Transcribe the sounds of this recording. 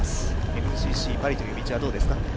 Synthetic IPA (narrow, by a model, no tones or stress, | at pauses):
e̞mɯ̟ʑiːɕiːpaɾʲit̪ojɯmʲit͡ɕiβad̪o̞ːd̪e̞sɨ̥ka